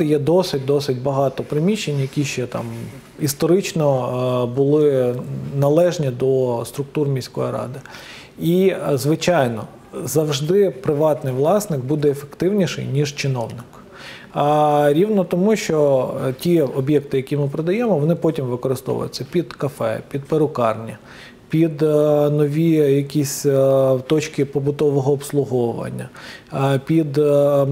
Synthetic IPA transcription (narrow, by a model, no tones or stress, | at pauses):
ɪjɛd̪ɔsɪt̚ʲd̪ɔsɪtʲbɐɦɑt̪ɔpɾɪmʲiʃːenʲjɐkʲiʃt͡ʃɛt̪ɑ̰m | ist̪ɔɾɪt͡ʃnɔbʊlˠɪnɐlˠɛʒnʲid̪ɔst̪ɾʊk̚t̪urmʲijsʲkɔjiɾɑ̰d̪ɪ | izʋɪt͡ʃɑjnɔ̰ | zɐwʐd̪ɪpɾɪʋɑt̪nɪjʋlˠɑsnɪɡbud̪ɛːfekt̪ɪwnʲiʃɛ̰jnʲiʐt͡ʃɪnɔwnɪk | ɾʲiwnɔt̪ɔmuʃt͡ʃɔtʲiɔbjɛk̚t̪ɪjɐkʲimɪpɾɔd̪ɐjemɔʋɔnɪpɔtʲimʋɪkɔɾɪst̪ɔ̰ʋʊ̰jʊ̰t͡sʲːɐpʲid̪kɐfɛ̰pʲid̪̚peɾʊkɑrnʲi | pʲid̪nɔʋʲijɐkʲisʲt̪ɔt͡ʃkɪpɔbʊt̪ɔʋɔɦɔːpslˠʊɦɔʋɐ̰nʲːɐ̰ | pʲid̪